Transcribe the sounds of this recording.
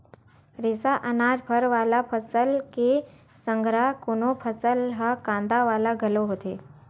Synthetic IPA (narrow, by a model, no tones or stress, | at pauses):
ɾɪsaʔɐnaːd͡ʒbʱəɾʋaːlapʰəsəlke | sə̃ŋɡɾakonopʰəsəlɦəkãːnd̪aʋaːlaɡʱɐloɦoːt̪eː